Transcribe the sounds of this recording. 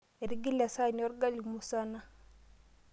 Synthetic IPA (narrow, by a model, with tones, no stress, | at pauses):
ɛ˨ɾi˦ɡi˦la˨sa˦˨nɔ˦ɾɡa˦li˨mu˨sa˦na˦